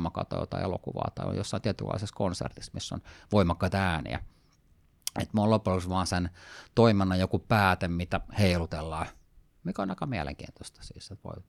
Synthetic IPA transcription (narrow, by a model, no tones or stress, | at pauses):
mɑkɑ̰ːt̪ɑjo̰t̪ɑ̰iʔḛlo̰kuʋɑ̰ːt̪ɑ̰io̰josːɑˑint̪iet̪ylːɑ̰iseskonsḛrt̪ismisːo̰nʋoimɑkːɑit̪ɑæːnḭæ̰ | ḛt̪molopːulusʋɑːnsent̪oimenːɑjokupæːt̪emmit̪æheilut̪elːɑː | mikæonɑikɑmiælḛŋkḭːnt̪ost̪ɑ̥sḭːsːet̪ʋo̰i